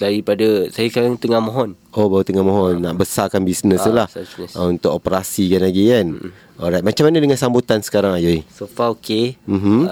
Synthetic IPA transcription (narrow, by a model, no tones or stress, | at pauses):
daɾipadasajaskaɾaŋt̪əŋahmõɦɔn | obawət̪əŋahmõɦɔnːaʔbəsakanbisnəsəlahsnsunt̪ʊkopəɾasikanlaɡikan | ɔɾajt̪̚mat͡ʃamːanadəŋansambut̪ansə̥kaɾaŋajaisofaokem̩ɦ̩